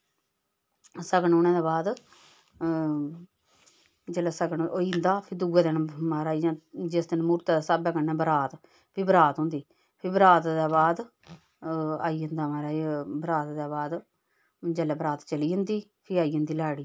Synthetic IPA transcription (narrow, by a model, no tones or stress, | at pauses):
səɡɳoːnɛ̃ːd̪aːbaːd̪ | d͡ʒəlɛːsəɡəɳoind̪aːpʰɪd̪uːɛːd̪ɪnmaːɾaːiːd͡ʒãːd͡ʒɪsd̪ɪnmuːɾt̪aːd̪aːsaːbaːkənːɛːbəɾaːt̪ | pʰibəɾaːt̪ɦʊ̃nd̪iː | pʰɪbəɾaːt̪d̪aːbaːd̪ | aːiːənd̪aːmaːɾaːbɾaːt̪d̪aːbaːd̪ | d͡ʒɛlɛːbəɾaːt̪t͡ʃəliːɦʊnd̪iːpʰɪaːiːənd̪iːlaːɽiː